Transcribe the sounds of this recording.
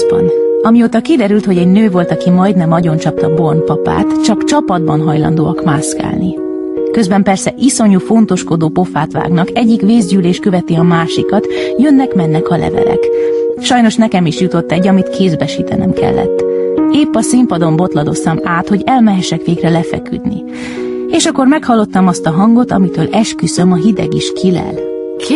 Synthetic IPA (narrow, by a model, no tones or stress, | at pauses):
bɒ̰nɒmioːt̪ɒkid̪ɛɾylt̪ho̞ɟɛɟnøːvo̞lt̪ɒkimɒjd̪nɛmɒɟo̞nt͡ʃɒp̚t̪ɒbo̞rnpɒpa̰ːt̪t͡ʃɒkt͡ʃɒpɒd̪̚bɒnɦɒjlɒ̰nd̪oːɒkmaːska̰ːlni | kø̞zbɛmpɛrsɛʔiso̞ɲufo̞n̪t̪o̞ʃko̞d̪oːpo̞fa̰ːt̪ʋa̰ːɡnɒkɛɟːikʋeːzɟyːleːʃkøvɛt̪iɒmaːʃikɒt̪jø̞nːɛkmɛnːɛkɒlɛ̰vɛ̰lɛ̰kʃɒjnoʃnɛkɛmiʃjut̪o̞t̪ːɛɟːɒmit̪kʰeːzbɛʃiːt̪ɛnɛmkɛ̰lːɛ̰t̪ːeːpːɒsimpɒd̪o̞mbo̞t̪lɒd̪o̞st̪ɒmaːt̪ho̞ɟɛlmɛɦɛʃɛkʋeːɡrɛlɛfɛ̰ky̰d̪nḭ | eːʃɒkːo̞rmɛkhɒlːo̞t̪ːɒmɒst̪ɒɦɒŋɡo̞t̪ɒ̰mit̪øːlʔɛʃkyzømɒɦid̪ɛ̰ɡiʃkʰilɛ̰l